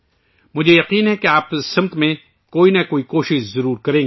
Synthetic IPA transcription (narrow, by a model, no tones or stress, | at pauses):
mʊd͡ʒʱejɐqiːnɦɛkeaːpsɐ̃mt̪mẽ | koːinɐkoːikoːʃɪʃzɐɾuːɾkɐɾẽːɡ